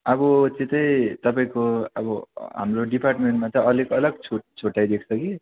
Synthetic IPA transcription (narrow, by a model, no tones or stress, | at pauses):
ʌbʌt͡sit̪ʌĩt̪ʌpaĩkoʌ̰bʌɦa̰mroɖiparʈmeɳʈmat̪ʌʌleɡʌlʌɡt͡sʰoʈt͡sʰoʈːajd̪ekʰt͡sʰʌki